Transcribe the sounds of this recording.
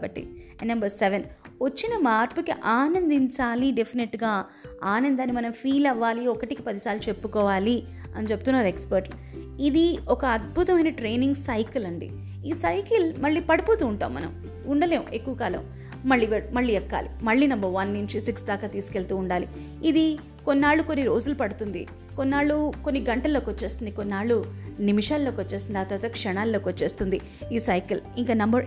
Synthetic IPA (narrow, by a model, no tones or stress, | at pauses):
bɐʈːḭnɐmbɐɾseʋenʋɐt͡ʃːinɐmaːɾpukiʔaːnɐnd̪iɲt͡ʃaːliɖepʰineʈɡaː | aːnɐnd̪aːnimɐnɐmpʰiːlɐʋːaːliɔkɐʈikipɐd̪isaːlut͡ʃepːukɔːʋaːli | ɐnit͡ʃe̞but̪unːaːɾekspɐɾʈlu | id̪iɔkɐːd̪̚bʱut̪ɐmɐjnɐʈɾeːniŋɡsɐjkɐlɐɳɖḭ | iːsɐjkɐlmɐɭːiːpɐɽipuːt̪uːɳʈa̰ːmːɐ̰nɐ̰m | uɳɖɐleːmʔekːuʋɐkaːlɐ̰m | mɐɭːiːʋemɐɭːiːɛkːa̰ːlimɐɭːiːnɐmbɐɾʋɐnːiɲt͡ʃisiksd̪aːkaːt̪iːsu̥ke̞ɭt̪uːɳɖaːlḭ | id̪i | konːaːɭːuko̞nːiɾoːd͡ʒulupɐɽut̪und̪ḭ | konːaːɭːukonːiɡɐɳʈɐlːo̞ːkot͡ʃːe̞ːst̪und̪ikonːaːɭːunimiʂaːlːo̞ːkʋɐt͡ʃːeːst̪und̪aːt̪ɐɾt̪ɐkʂɐɳaːlːo̞ːkʋɐt͡ʃːe̞ːst̪und̪i | iːsɐjkɐliŋkaːnɐmbɐɾ